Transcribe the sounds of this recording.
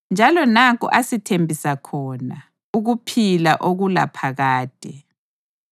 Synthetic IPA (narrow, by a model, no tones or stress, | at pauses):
nd͡ʒʱalɔnak̬ʼṵʔasitʰembʱisakʰɔna | uɣupʰila̰ʔoɣula̰pʰaɣaːd̥ʼʱɛ